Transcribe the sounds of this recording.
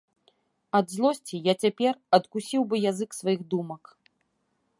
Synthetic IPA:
ɐd̪zlˠɔsʲt͡sʲijat͡sʲapʲɛrɐt̪kusʲiwbɨjazɨksvajiɣd̪umɐk

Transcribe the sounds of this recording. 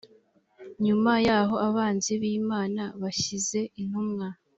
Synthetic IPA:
ɲumajaːɦo̞aβaːnziβiːmaːnaβaʃize̞in̥humŋa

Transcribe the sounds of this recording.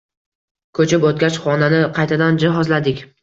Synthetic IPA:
kʰɵt͡ʃʰɪpot̪̚kʲat͡ʃχɒnanɪqʰɑjt̪ʰad̪and͡ʒɪɦɒzlad̪ɪkʲ

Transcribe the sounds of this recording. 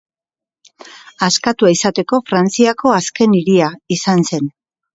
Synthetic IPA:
askat̪uaisat̪e̞ko̞fɾant͡siako̞aske̞niɾiaisanse̞n

